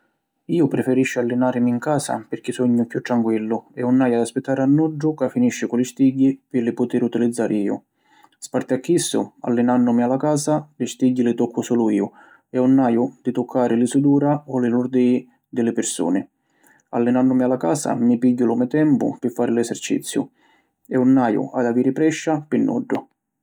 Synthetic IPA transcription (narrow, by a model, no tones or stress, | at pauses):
iːʊpɾɪfɛɾiʃːɪalːɪnaːɾɪmiŋkaːsa̰pɪɾk̟ɪsɔɲːʊkjut̪ːɾaŋkwilːʊɛunːaːjad̪aspɪt̪ːaːɾɪanːuʊkafːiniʃːɪkʊlɪst̪iɟːipɪlɪpʊt̪iɾut̪ilid̪zːaːɾʔɪiːʊ̰ | spart̪ɪakːisːʊ̰a̰lːɪnanːʊmialakaːsalɪst̪iɟːilɪt̪ɔkʰːʊsuːlʊiːʊ | ɛunːaːjʊd̪̥ɪt̪ʊkʰːaːɾɪlisud̪uːɾaɔlɪlʊɾd̪i | d̪ɪlɪpɪɾsṵːnɪ | a̰lːɪnanːʊmialːakaːsa̰mipiɟːʊlʊmɛt̪ɛmpʊ̰pɪfːaːɾɪlɛsɛrt͡ʃḭt̪sːjʊ̰ | ɛunːaːjʊ̰ʔa̰d̪aviːɾɪpɾɛʃːapɪnːɔ̰ɖːʊ